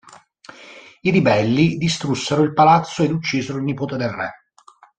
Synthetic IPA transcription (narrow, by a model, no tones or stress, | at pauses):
iɾibɛlːid̪ist̪ɾusːeɾoilpalat̪sːoed̪ut͡ʃːiːzeɾoilnipoːt̪ed̪elrɛ̰